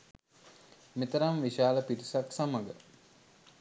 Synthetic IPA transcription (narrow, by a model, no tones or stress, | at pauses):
mit̪əɾamʋiʃaːləpiɾisaksaməɡə